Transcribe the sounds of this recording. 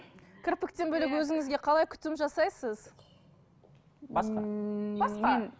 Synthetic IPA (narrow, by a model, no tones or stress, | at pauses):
kʲʰɪɾpɪk̚t̪enbɵlekwɵzɪŋɪzɡʲeqʰɑlˠɑjkʲʰʏ̥t̪ɪmʒɑsɑjsəz | bɑsɑbɑsqɑ